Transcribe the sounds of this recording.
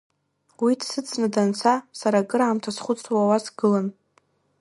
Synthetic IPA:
widʰsɨt͡sʼnadant͡sʰasaɾaɡɨɾaːmtʰasχʷʊt͡sʼwawasɡɨlan

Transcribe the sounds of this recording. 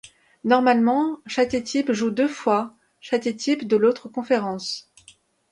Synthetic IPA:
nɔʁmalmɑ̃ʃat̪et̪ʰipʒud̪øfwa | ʃat̪et̪ʰipd̪əlot̪χəkɔ̃feʁɑ̃s

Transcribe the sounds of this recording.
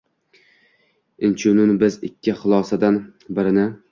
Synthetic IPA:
ɪnt͡ʃʰʊnɪnbɪzɪ̰kʲʰːɪχʊlˠɒsad̪anbɪɾɪnɪ

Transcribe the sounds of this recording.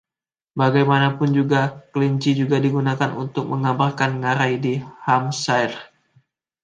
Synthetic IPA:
baɡajmanapʊnd͡ʒuɡakəliɲt͡ʃid͡ʒuɡadiɡunakanṵnt̪ʊk̚məŋabarkanŋaɾajdihamsajr

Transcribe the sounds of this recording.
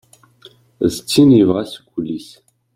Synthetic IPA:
zt͡sʰinivʁaskʷʰulis

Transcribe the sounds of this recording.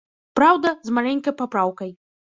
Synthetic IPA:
pɾawd̪ɐzmalʲɛnʲkɐjpapɾawkɐj

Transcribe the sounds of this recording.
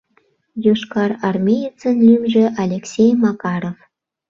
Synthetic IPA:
joʃkɑrɑrmʲejit͡sənlymʒĕʔɑlʲeksʲejmɑkɑɾof

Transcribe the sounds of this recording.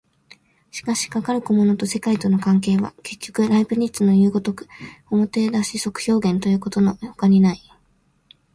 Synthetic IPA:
ɕi̥kaɕi̥kakaɾɯ̟kɯmo̞no̞t̪o̞se̞kait̪o̞no̞kãŋk̬e̞ːβa̰ke̞kʲːo̞kɯ̟ɾaibɯ̟ɲ̟itt͡sɨno̞jɯ̟ːɡo̞t̪o̞kɯ̟̥o̞mo̞t̪e̞d̪aɕiso̞kɯ̟̥ço̞ːɡẽ̞nt̪o̞jɯ̟ːko̞t̪o̞no̞jokaɲ̟inai

